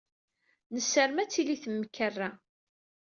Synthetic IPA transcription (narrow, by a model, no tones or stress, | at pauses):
nəsːəɾmæt͡sːiliθəmːəkːərːa